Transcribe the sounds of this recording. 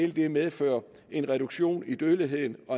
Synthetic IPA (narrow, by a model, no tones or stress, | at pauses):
eld̥e̝meðˠfø̰ːɐ | e̝nʁɛɾ̥uɡ̥ɕo̝̰ːnid̥øðliɦe̝ð̰ˠn̩ɒ̽